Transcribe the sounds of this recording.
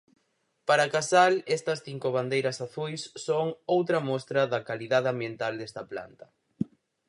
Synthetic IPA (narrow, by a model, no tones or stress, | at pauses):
paɾakasalɛst̪ɐsθiŋkʊβ̞and̪ejɾɐsaθujsːoŋowt̪ɾɐmɔst̪ɾɐðɐkaliðaðɪambjent̪ald̪est̪ɐpla̰nt̪ɐ̥